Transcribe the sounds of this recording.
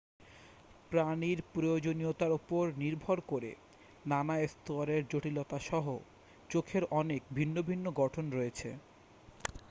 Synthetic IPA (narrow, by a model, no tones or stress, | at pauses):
pɾaniɾpɾojod͡ʑoniot̪aɾupoɾniɾbʱoɾkoɾḛ | nanaest̪oaɾeɾd͡ʑoʈilɔt̪aʃɔɦo | t͡ɕokʰeɾʔɔnek̚bʱinːobʱinːoɡɔʈʰonɾoet͡ɕʰḛ